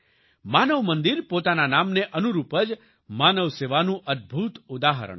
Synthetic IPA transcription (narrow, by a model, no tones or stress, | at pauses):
manəʋmənd̪iɾpot̪ananamneʔənuɾupəd͡ʒ | manəʋseʋanũʔəd̪̚bʱut̪ʊd̪aɦə̰ɾə̰ɳ